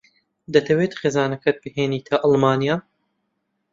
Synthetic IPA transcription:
d̪ɐt̪ʰɐweːt̪χeːzɑːnɐkʰɐt̪̚bɨheːniːt̪ʰɐʔɑlˠmɑːnijaː

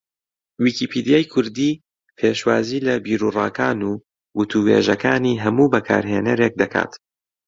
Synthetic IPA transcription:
wiːkipʰid̪ijaːjkʰʊɾd̪iː | pʰeːʃwaːziːlɐbiːɾuːrɑːkaːnuː | wʊt̪ʰuwḛːʒɐkaːniɦɐmuːbɐkʰa̰ːɾɦenɐɾeːk̚d̪ɐkʰa̰ːt̪

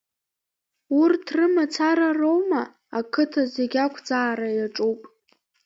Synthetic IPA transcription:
urtʰrɨmat͡sʰaɾaro̞wma | akʰɨtʰazeɡʲakʷʰd͡zaːɾajaʈ͡ʂʼuwpʼ

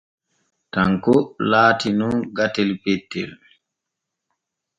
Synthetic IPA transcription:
taŋkɔlaːtinunɡatɛlpɛtːɛ̰l

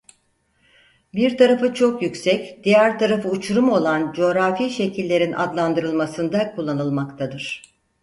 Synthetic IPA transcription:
biɾt̪ʰaɾafɯt͡ʃʰo̞kjycʲsɛcd̪̥ijæɾt̪ʰaɾafɯut͡ʃʰuɾumo̞lˠand͡ʒo̞ɾafiːʃe̞cʰilʲːe̞ɾinʔa̰d̪lˠand̪ɯɾɯlˠmasɯnd̪akʰulˠːanɯlˠmakt̪ʰad̪ɯɾ̥

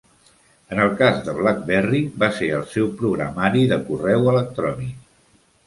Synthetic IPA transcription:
ənəlˠkazðəβ̞lak̚bɛriβaseəlˠsɛwpɾuɣɾə̰maɾiðəkurɛwələk̚t̪ɾɔnik

